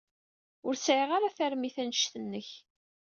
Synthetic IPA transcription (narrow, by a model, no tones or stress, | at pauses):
ʊɾsʕiʁaɾaθæɾmiθænəʃθənːəç